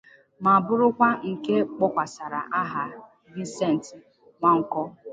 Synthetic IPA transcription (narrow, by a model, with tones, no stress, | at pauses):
ma˨bʊ˦ɾʊ˦kʷa˦ŋ̩˨ke˦k͡pɔ˦kʷa˨sa˨ɾa˨ʔa˦ɦa˨ | vi˦n˦se˦˨n̩˨t | ŋʷa˦ŋ̩˦kɔ˦